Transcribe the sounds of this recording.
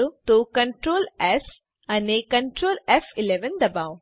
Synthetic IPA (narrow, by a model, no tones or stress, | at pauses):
ut̪uːkɐɳʈɾoːles | ɐnekɐɳʈɾoːlefileʋɐnd̪ɐbaːw